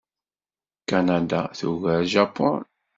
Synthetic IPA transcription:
kanad̪aθuɣəɾʒapɔn

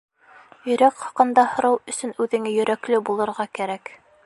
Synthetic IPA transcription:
jɵ̆jɾækχɑqɤ̆nd̪ɑhŏɾɤwɵ̆sɵnʉðɘ̆ŋɘjɵ̆ɾæklɘbulˠɤ̆ɾʁɑkæɾæk

